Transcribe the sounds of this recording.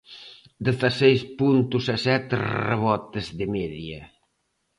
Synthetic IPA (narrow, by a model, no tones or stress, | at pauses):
d̪eθasejspunt̪usasɛt̪rrḛβɔt̪ezðemɛðiɐ̰